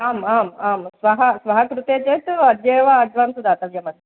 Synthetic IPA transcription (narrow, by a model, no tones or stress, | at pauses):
aːmaːmaːmsʋɐɦɐsʋɐɦɐkɾut̪eːt͡ʃeːt̪uɐd̪jeːʋaɐd͡ʒʋɐmsud̪aːt̪ɐʋjɐmɐd̪